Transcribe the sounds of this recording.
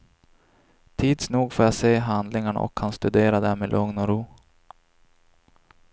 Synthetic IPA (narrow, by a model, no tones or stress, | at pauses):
t̪ʰiːd̪snuːɡfoːɾjaseːɦand̪lɪŋaɳa̰ʔɔ̰kʰːanst̪ɵd̪eːɾad̪æɾmeːlʔɵŋnɔɾuː